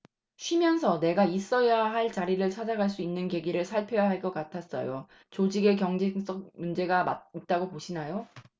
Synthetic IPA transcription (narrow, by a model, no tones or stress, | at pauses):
ɕʰɥimjʌnsʰʌne̞ɡais͈ʌjaɦaɭt͡ɕaɾiɾɯɭt͡ɕʰad͡ʑaɡaɭs̬͈uinːɯnke̞ɡiɾɯɭsʰaɭpʰjojaɦaɭk͈ʌk͈atʰas͈ʌ̰jo | t͡ɕod͡ʑiɡe̞k̬jʌŋd͡ʑeŋs͈ʌk̚mund͡ʑe̞ɡama̰it̚t͈aɡopoɕʰinajo